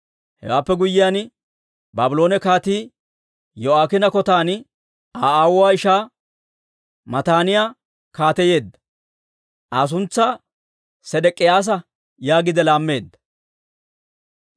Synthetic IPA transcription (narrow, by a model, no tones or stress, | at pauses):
hɛ̰wa̰ːpːɛɡʊjːɪjaːn | baːbɪlo̞ːnɛkaːt̪iː | jɔaːkɪnɐkɔt̪aːn | aːaːwʊwaːɪʃaː | mɐt̪aːnɪjaː | kaːt̪ɛje̞ːd̪ːɐ̥ | ʔaːs̬ʊnt͡sːaː | sɛd̪ɛkʼːɪjaːs̬ɐ | jaːɡɪd̪ɛlaːmːe̞ːd̪ːɐ̥